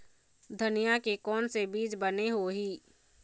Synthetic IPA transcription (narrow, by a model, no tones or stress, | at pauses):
d̪ʱənijakekɔːnsebiːd͡ʒbəneɦoɦiː